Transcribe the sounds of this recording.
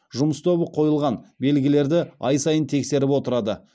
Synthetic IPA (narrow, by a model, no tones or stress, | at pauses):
ʒʊməst̪ʰobəqʰo̞jəlˠʁɑnbe̞lɡʲɪle̞ɾd̪ɪɑjsɑjənt̪ʰe̞kse̞ɾɪpwo̞t̪əɾɑd̪ə